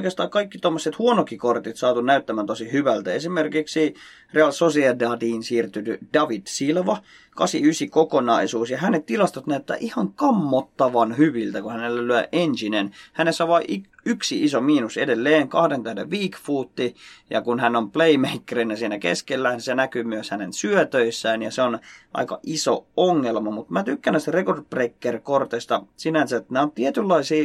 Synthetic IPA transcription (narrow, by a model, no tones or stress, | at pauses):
kest̪ɑːkɑikːit̪omːosːet̪huonokːikort̪it̪sɑːt̪unnæyt̪ːæmæːnt̪osihyʋælt̪æesimerkiksi | reɑlsosiɑdɑt̪iːnsiːrt̪yt̪yd̥ɑʋid̥̪silʋɑ | kɑsḭysikokonɑisuːsjɑhænett̪ilɑst̪ot̪næyt̪ːæ̰ːʔihɑŋkɑmːot̪ːɑʋɑnhyʋilt̪ækuhænelːælyæʔensinenhænesːæʋɑʔi | yksiisomiːnusḛdelːeːŋkɑhdent̪æhdḛʋʋiːkfuːt̪ːijɑ̰kunhænːompleimeikːereinæsiːnækḛskelːænsenækyːmyøshænensyøt̪øisːæːnjɑseonʔɑ̰ikɑ̰ʔiso̰oŋːelmɑmut̪mæt̪ykːænːˑæsi̥t̪ærekort̪̚prekːerkort̪est̪ɑsinænsæt̪næont̪iet̪ylːɑisiː